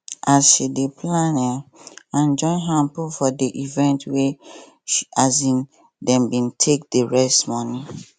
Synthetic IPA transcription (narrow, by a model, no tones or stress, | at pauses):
asʃideplãnɛãnd͡ʒɔ̃ɪ̃nɦãmpufɔdeʔivɛ̃ntwe | ʃiazĩn | dɛ̃mbĩntʰek̚deɹɛstmɔni